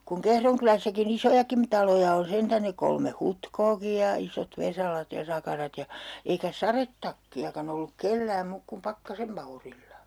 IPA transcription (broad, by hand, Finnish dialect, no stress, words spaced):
kuŋ kehron kylæsːækin isojɑkim tɑlojɑ on sentæn ne kolme hutkoːki jɑ isot ʋesɑlɑt jɑ sɑkɑrɑt jɑ eikæ sɑretːɑkːiɑkɑn olːuk kelːæːm muːk kum pɑkːɑsem mɑurilːɑ